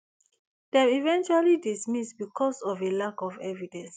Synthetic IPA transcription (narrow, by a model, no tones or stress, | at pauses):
d̥ɛ̃mivɛ̃nt͡ʃualidismisbikʰɔsɔvelakɔvɛvidɛ̃ns